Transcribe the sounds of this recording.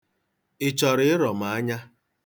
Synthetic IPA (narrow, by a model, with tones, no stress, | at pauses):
ɪ˨t͡ʃɔ˨ɾɪ˦ɪ˦ɾɔ˨ma˨a˦ɲa˦